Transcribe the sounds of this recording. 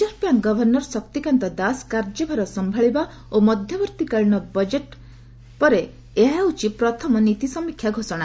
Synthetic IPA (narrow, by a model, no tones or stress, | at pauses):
d͡ʒɔɾpaŋɡɔbʱɔɾnɔɾɔsɔkt̪ikant̪ɔd̪askaɾd͡ʒɔbʱaɾɔsɔmbʱaɭiba | omɔd̪ʱjɔbɔɾt̪ikaɭɳ̃ɔbɔd͡ʒeʈ | pɔɾeː | ɦaut͡ʃipɾɔt̪ʰɔmɔnit̪isɔmikʰjaɡʱosɔɽ̃